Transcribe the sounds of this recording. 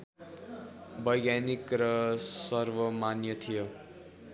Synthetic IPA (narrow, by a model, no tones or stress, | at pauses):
bʌjɡjanikrʌsʌrbʌmanjʌt̪ʰijo